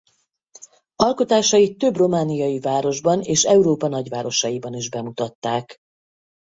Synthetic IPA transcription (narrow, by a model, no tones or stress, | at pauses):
ɒlko̞t̪aːʃɒit̪ːø̞bro̞maːnijɒjivaːɾo̞ʒbɒneːʃɛuɾoːpɒnɒɟʋaːɾo̞ʃɒjibɒniʒbɛmut̪ɒt̪ːaːk